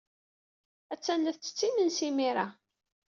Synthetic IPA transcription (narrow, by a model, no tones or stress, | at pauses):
æt͡sːænːəθt͡sːə̥t͡sːimənsimiɾa